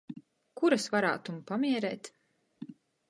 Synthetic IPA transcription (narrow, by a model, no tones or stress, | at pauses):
kuɾasvaɾa̰ːt̪umpamiɛɾɛːt̪